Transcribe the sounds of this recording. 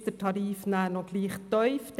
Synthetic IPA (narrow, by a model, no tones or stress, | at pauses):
d̥̪ətʰɑɾiːfnæːnɔɡ̥liːχt̪œʏfd̥